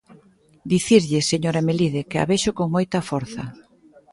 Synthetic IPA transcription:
d̪iθiɾʎɪseɲoɾameliðekɪa̰βeʃokoŋmojt̪ɐfɔɾθɐ̰

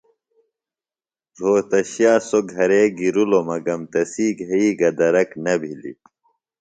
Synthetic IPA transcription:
zʱoːt̪ɐɕjaːsoɡʱɐɾeɡiɾulomɐɡɐmt̪ɐsiːɡʱɐiːɡɐd̪ɐɾɐknɐbʱilḭ

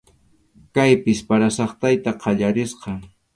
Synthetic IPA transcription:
kajpɪspaɾasɑχt̪ajt̪aqʰɑʎaɾɪsqɑ

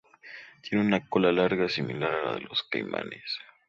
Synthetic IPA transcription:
t̪jeneunakolalaɾɣasimilaɾala̰ðeloskajma̰nes

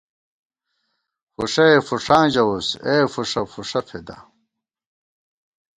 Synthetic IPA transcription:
fuʂɐefuʂãːd͡ʑɐwuseːfuʂɐfuʂɐpʰed̪ɐ̰

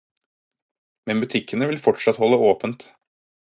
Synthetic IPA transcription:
mɛnbʉt̪ʰɪkːənəʋɪlfɔʈʂɑt̪hɔlːəoːpənt̪

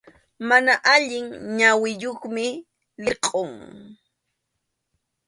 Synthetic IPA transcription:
manaʔaʎɪŋɲawɪjoχmɪ | lɪqʼoŋ

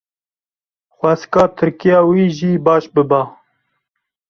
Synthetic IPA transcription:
xʷæskɑːt̪ʰɨɾkijɑːwiːʒiːbɑːʃbɨbɑː

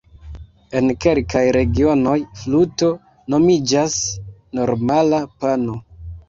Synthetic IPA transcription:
e̞nke̞lkajɾe̞ɡio̞no̞jfluto̞ | no̞mid͡ʒasno̞ɾmalapano

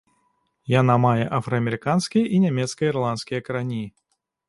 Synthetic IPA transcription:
janamajɛʔafɾɐɐmʲɛɾɨkanskʲijɐʔinʲamʲɛt̪skɐjirlˠant̪skʲijɐkɐɾanʲi

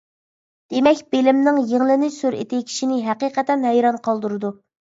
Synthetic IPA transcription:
d̪̥emɛkʲbelɪmnɪŋjeŋlˠɪnɪsøɾḛt̪ɪkʲʰi̥ʃinɪɦɛqiːqət̪ɛnɦɛjɾɑnqʰɑlˠd̪uɾɨd̪u

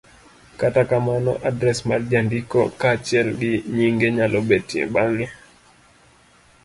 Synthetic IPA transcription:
katakamanɔ̰ʔadɾɛsmaɾd͡ʒandikɔ̰kat͡ʃɛlɗiɲiŋɡɛɲalʔɔɓɛtiɛ̰ɓaŋɛ

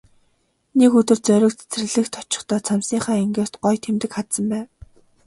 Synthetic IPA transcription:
nekɵt̪ɵ̆rt͡sœɾʲɪ̆kt͡sʰe̥t͡srɘ̆ɣɮɘ̆xt̪ʰɔ̥t͡ɕɪ̥̆χt̪ʰɔːt͡sʰamsiːχaːeŋɡeːr̥t̪ɢɔjt̪ʰemt̪ɘ̆kχat̪sə̆mpæːn

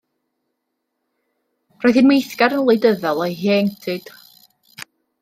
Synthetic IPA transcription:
rɔjðinmejθɡ̥aɾənlˠejdəðɔlˠɛjɦeŋtʰɨd̥

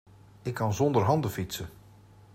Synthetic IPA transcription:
ɪkʰːɑnzɔndərɦɑndəfisə

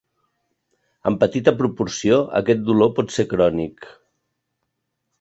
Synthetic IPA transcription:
ə̰mpət̪it̪əpɾupuɾsioə̰kɛt̪̚d̪ulopɔt̪sekɾɔnik

